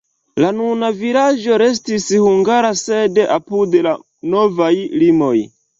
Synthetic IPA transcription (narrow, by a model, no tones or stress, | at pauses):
lanunavilad͡ʒo̞ɾe̞s̬tishuŋɡaɾasedeʔapudela | no̞vajlimo̞j